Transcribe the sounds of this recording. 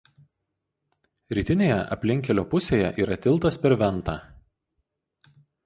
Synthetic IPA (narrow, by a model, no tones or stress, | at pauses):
ɾʲiːt̪ʲɪnʲeːjɛ̰ʔɐ̰pʲlʲɪŋʲkʲɛlʲoːpʊsʲeːjɛʔiːɾɐt̪ʲɪlˠt̪ɐspʲɛɾʋʲɛnˑt̪ɑː